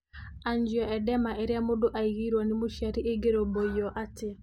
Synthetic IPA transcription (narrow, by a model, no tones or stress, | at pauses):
aɲd͡ʒjɔɛdɛmaʔeɾjamodoʔaiɣiɾwanimoʃaɾieɡeɾobojɔʔatɪ